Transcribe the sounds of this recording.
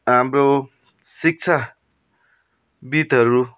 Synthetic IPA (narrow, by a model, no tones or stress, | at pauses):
ɦamro | sik̚t͡sʰa | bit̪ʌɾu